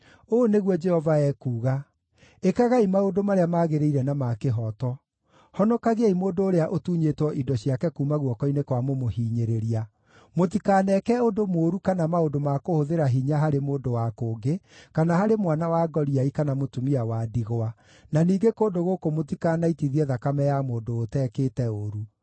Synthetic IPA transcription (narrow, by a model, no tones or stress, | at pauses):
oneɣwɔd͡ʒɛhɔvaɛːkuːɣa | ekaɣaimaodomaɾeamaːɣeɾeiɾɛnamakeɦɔtɔ | hɔnɔkaɣeaimoːndoːɾeaʔotuːɲetwɔʔidɔɕiakɛkuːmaɣwɔkɔinekwamomohiːɲeɾeɾia | motikaːnɛkɛodomoːɾukanamaodomakohoðeɾaɦiɲaɦaɾemoːdowakoːŋɡekanaɦaɾemwanawaːɡɔɾiaikanamotumiawaːdiɣoa | naniːɡekoːndoɣokomot̬ikaːnaitiðiɛðakamɛjamoːndoːtɛːkeːtɛoɾu